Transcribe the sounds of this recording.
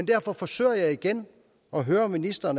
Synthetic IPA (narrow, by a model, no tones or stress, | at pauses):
end̥æɐ̰fɒ̽fɒ̽sø̰ːɐjɑ̈ɪiɡ̥en | ɒ̽ɦøːɐminisd̥ɐn